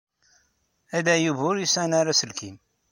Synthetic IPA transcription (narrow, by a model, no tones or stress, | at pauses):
æd̪æjuvʊɾjisænaɾæsəlkim